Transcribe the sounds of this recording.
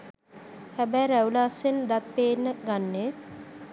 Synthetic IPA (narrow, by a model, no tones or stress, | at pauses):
hæbæjɾæulaːsend̪at̪̚peːnːəɡanːe